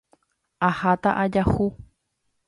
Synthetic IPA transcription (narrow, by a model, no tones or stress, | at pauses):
ahat̪aʔad͡ʒahu